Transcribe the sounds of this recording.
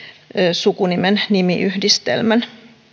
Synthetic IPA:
sukunimennimiʔyhdist̪ḛlmæn

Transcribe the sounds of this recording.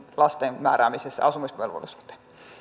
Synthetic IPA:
lɑst̪enmæ̰ːræːmisesːæ̰ɑsumismḛlʋo̰lːisu̥t̪e̥

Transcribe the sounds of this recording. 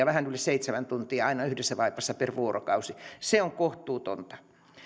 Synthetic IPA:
ɑʋæhænylːeseit̪semænt̪unt̪iɑɑinɑyhdesːæʋɑipːˑɑsːɑperʋuorʔo̰kɑusiseoŋkoht̪ˑuːt̪o̰nt̪ɑ̥

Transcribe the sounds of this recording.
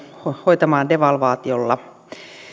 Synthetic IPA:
hoit̪ɑmɑːndeʋɑlʋɑːt̪iolːɑ

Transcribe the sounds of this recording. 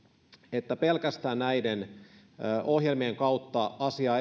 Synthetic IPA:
et̪ːæpelkæst̪æːnnæiden | ʔohjelmieŋkɑut̪ːɑɑsiɑː

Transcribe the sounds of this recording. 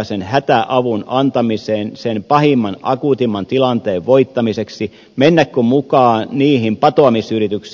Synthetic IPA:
senhæt̪æʔɑʋunɑnt̪ɑmiseːnsenpɑhimːɑnɑ̰kut̪imːɑnt̪ilɑnt̪eːʋʋoit̪ːɑmiseksi | menːækkommukɑːniːhimpɑt̪oɑmisyrit̪yks

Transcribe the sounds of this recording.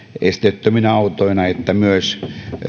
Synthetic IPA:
est̪et̪ːøminɑut̪oinɑet̪ːæmyøs

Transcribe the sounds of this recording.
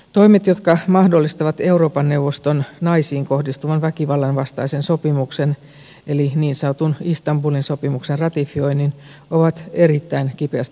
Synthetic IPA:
t̪o̞imet̪jo̞t̪kɑmɑhdo̞lːist̪ɑʋɑt̪e̞uɾoːpɑnːeuwʋːost̪onnɑisiːŋko̞hdist̪uʋɑnʋækiʋɑlːɑnʋɑst̪ɑisenso̞pimuksen | eliniːnsɑut̪unist̪ɑmbulinso̞pimuksenrɑt̪ifio̞inːin | oʋɑt̪e̞ɾit̪ːæinkipeæst̪

